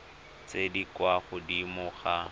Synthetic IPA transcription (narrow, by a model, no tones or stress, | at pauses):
t͡sedikwaχʊdimʊχa